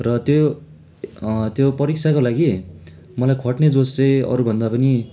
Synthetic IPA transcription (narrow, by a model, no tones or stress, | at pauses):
rʌt̪jo | t̪jopʌɾikt͡sʰakolaɡi | mʌlajkʰʌʈned͡zost͡sʌjʌ̰ɾubʱʌnd̪apʌni